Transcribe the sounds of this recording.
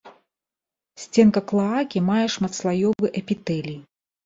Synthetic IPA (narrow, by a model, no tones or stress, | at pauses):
sʲt͡sʲɛnkɐklˠaakʲimajɛʂmɐt̪slˠajɔvɨʔɐpʲit̪ɛlʲi